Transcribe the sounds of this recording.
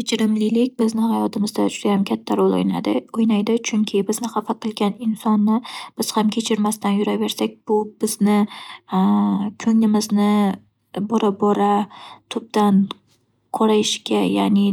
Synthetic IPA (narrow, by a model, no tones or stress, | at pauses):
kʲet͡ʃʰɪɾɪmlɪlɪk̚ʲbɪznɪhajɒt̪ʰɪmɪzd̪ad͡ʒʊd̪ajamkʲʰat̪ʰːaɾolˠo̰jna̰d̪ɪ̰ojnajd̪ɪt͡ʃʰʊŋkʲʰɪbɪznɪχɑfat̪̚qʰɨlˠɡʲanɪnsɒnːɪb̥ɪz̥hamkʲʰe̞t͡ʃʰɪɾmast̪anjʊɾave̞ɾsak̚ʲb̥ʊbɪznɪ | kʰɵŋnɪmɪznɪ | bɒɾabɒɾat̪ʰʊb̚d̪an | qʰoɾajɪʃkʲaja̰nɪ